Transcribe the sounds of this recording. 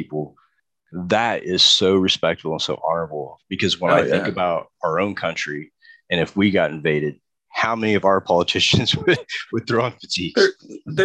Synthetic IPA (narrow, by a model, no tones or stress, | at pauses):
ipl̩ˠ | ðəɾɪz̥soʊɹɨspɛk̚tfl̩ˠə̃nsoʊʔɑnə˞əbl̩ˠb̥ɨkʰʌzwə̃ñaɪθɪ̃ŋkɨbaʊɾəə˞õʊ̃nkʰʌ̃nt͡ʃɹ̥i | ɨ̃ñɨfwiɡɑɾɨ̃ɱveɪɾɨd̥̚ | haʊmɛniʌvaʊə˞pʰɑlˠətʰɪʃɨ̃nz̥wɨdwɨd̪̥̚θɹɔ̃ŋfɨtʰiɡ